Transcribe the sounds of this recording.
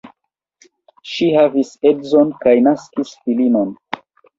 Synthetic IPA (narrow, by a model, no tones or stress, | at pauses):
ʃihavisedzo̞nkajnaskisfilinon